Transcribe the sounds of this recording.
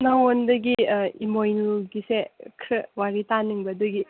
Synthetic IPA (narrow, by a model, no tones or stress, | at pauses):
nawondɐɡiimojnuɡisekʰɾɯwaɾitanɯŋbɐdɐɡi